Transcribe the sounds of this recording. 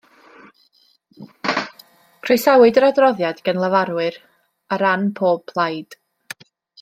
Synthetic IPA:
kʰresawɨdəɾadrɔðjad̥ɡ̥ənlˠəvaɾwɨr | aɾanpʰoːb̥̚pʰlˠajd̥

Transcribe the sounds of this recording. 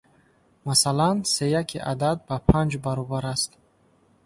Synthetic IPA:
masalansejakʰiʔa̰d̪ad̪̚bapʰand͡ʒbaɾɔbaɾast̪

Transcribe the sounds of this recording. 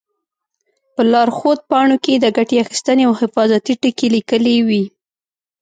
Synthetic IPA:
pəlɑɾxod̪̚pɑɳoked̪əɡaʈeaxi̥st̪əneawhɪfɑzat̪iʈəkelikəlewi

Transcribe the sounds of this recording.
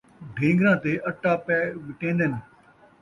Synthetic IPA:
ɖʱẽːŋɡɾãt̪eʔɐʈːapɛːʋɪʈẽːnd̪ənɪ

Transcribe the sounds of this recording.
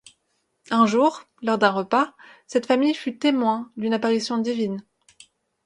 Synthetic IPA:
ɛ̃ʒuʁ | lɔʁd̪ɛ̃ʁəpasɛt̪famijfyt̪emwɛ̃d̪ynapaʁisjɔ̃d̪ivin

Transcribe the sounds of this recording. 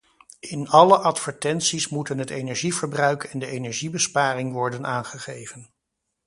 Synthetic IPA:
ɪnɑləʔɑtfəɹtɛntsismutənɦətejnɛɹʒivəɹbrœɥkɛndəejnɛɹʒibəspaːrɪŋʋɔɹdənʔaːnχəχejvən

